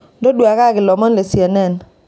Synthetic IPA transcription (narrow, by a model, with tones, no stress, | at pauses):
dɔ˦dwa˨ka˦˨ɡɪ˨lɔ˨mɔ˦nlɛ˨sjɛ˨nɛ˦˨n